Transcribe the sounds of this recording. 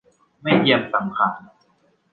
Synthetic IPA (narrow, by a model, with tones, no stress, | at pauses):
ma˥˩jji˧əmsa˩˦mkʰaː˧n